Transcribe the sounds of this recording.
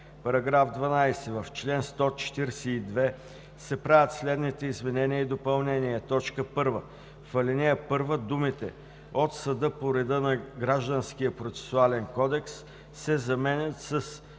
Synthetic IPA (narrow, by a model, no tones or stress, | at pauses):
pɐɾɐɡɾafd̪vɐnajsɛvɐft͡ʃlɛnst̪ɔt͡ʃɛ̥t̪iɾɛsɛid̪vɛ | sɛpɾavʲət̪slɛd̪nit̪ɛizmɛnɛnʲiəid̪opɐlˠnɛniɛt̪ɔt͡ʃkəpɤɾvə | fɐlɛnɛəpɤɾvəd̪umit̪ɛ̰ | ot̪sɐd̪ɤpoɾɛd̪ɤnɐɡɾaʒd̪ənsk̟ijəpɾot̪sɛ̥sʊalɛnkɔd̪ɛks | sɛzɐmɛnʲət̪səs